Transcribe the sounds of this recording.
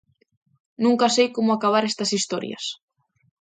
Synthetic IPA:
nũŋkasejkomʊakaβ̞aɾest̪ɐsist̪ɔɾjɐ̰s

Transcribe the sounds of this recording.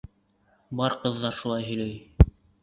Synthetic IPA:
bɑɾqɤ̆ðːɑɾʃulˠɑjɦɵ̆jlæj

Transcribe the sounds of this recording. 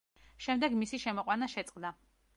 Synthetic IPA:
ʃɛmd̪ɛɡmisiʃɛmɔqʼwanaʃɛt̪sʼqʼd̪a

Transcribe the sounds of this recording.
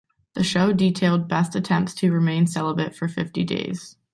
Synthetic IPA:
ðɨʃoʊditʰeɪlˠd̚bɛstɨtʰɛ̃mp̚tstʰɨɹɨmẽɪ̃nsɛlˠəbɪtfə˞fɪftidḛɪz̥

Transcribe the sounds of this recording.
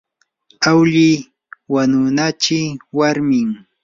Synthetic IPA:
awʎɪ | wanʊnat͡ʃɪwaɾmɪŋ

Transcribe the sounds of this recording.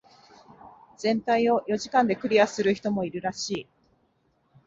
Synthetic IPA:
z̥ẽ̞nt̪aio̞jo̞ʑikãnd̪e̞kɯ̟ɾʲiasɨɾɯ̟çi̥t̪o̞mo̞iɾɯ̟ɾaɕiː

